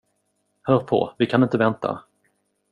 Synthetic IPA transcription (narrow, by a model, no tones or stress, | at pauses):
hœːɾpʰɔ̰vɪkʰanɪnt̪əvɛnt̪ʰa̰